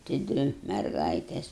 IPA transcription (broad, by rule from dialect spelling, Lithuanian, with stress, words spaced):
tɐɪ ˈdʲʋʲɪ mʲɛrˈɡɐɪtʲeːs